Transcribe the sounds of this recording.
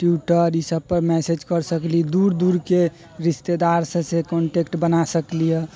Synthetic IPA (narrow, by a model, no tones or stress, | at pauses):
ʈjuʈəɾisəb̚pəɾmɛsed͡ʒkəɾsəklid̪uɾd̪uɾke | ɾist̪ed̪aɾsẽsẽkɔɳʈekʈbənasəklijɛ